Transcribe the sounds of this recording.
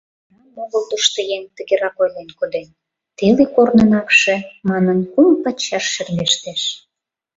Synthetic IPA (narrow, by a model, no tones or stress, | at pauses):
nɑoɣəlˠd̪əʃt̪əjeŋt̪ə̆ɣeɾɑkojlenkod̪en | t̪elekornənɑkʃĕmɑnənkumpɑt͡ɕːɑʃːermeʃt̪eʃ